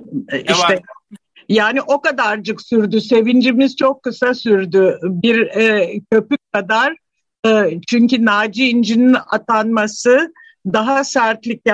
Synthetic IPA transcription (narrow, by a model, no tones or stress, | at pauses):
iʃt̪ɛ | jaːniʔo̞kad̪aɾd͡ʒɯksyɾd̪yse̞vind͡ʒimiz̥t͡ʃʰo̞kʰːɯsasyɾd̪ybiɾcʰø̞pyk̚kʰːad̪aɾ̥ | ɯt͡ʃʰyɲcynaːd͡ʒiːnd͡ʒinina̰t̪ʰanmasɯ | d̪aɦasæɾt̪lʲicj